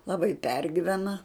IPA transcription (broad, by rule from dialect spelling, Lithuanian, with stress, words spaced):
lˠɐˈbɐɪ ˈpʲɛrʲɡʲiːʋʲɛnɐ